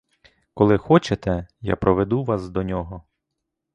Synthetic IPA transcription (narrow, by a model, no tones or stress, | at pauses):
kɔlˠɪxɔt͡ʃet̪ɛja̰pɾɔʋed̪uʋɑsd̪ɔnʲɔɦɔ